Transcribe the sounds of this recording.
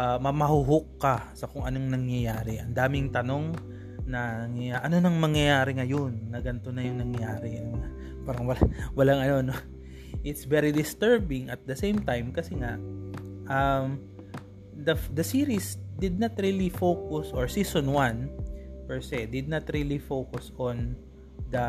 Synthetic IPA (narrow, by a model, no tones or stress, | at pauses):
ɐmɐmɐhʊɦokːɐsɐkʊŋɐno̞ŋnɐŋjɐjaːɾɪʔɐnd̪aːmɪŋt̪ɐno̞ŋ | nɐnɐŋjɐjaʔɐno̞nɐŋmɐŋjɐjaːɾɪŋɐjonːɐɡɐnt̪o̞nɐjʊŋnɐŋjaːɾɪna | paːɾɐŋwɐlawɐlaŋɐno̞no | ʔɪt̪svɛɾid̪ɪst̪ɛɹbɪŋɐt̪̚d̪ɐsejmt̪ajmkɐsɛŋaʔʔɐm | d̪ɐd̪ɐsiːɾisd̪ɪd̪̚nɐt̪ɾiːlifowkʊsʔoɹsiːsõnwãnpɛɹsɛd̪ɪd̪̚nɐt̪ɹilifowkʊsõn | d̪ɐ